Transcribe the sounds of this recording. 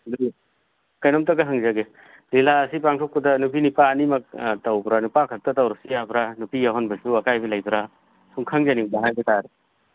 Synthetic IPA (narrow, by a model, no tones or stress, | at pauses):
li | kajnɔmtɐɡɐɦaŋzaɡe | lilaɐsipaŋtʰok̚pudɐnupinipaːnimɐk̚tawbɾanupakʰak̚tɐtawɾɔsijabɾanupijaɦɔnbɐsuɐkajbilajbɾa | suŋkʰaŋzanidaɦajbetaɾe